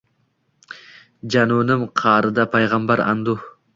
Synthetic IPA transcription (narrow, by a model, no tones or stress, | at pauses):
d͡ʒanunɪmqʰɑːɾɨd̪apʰajʁɑmbaɾɑ̰nd̪ʊ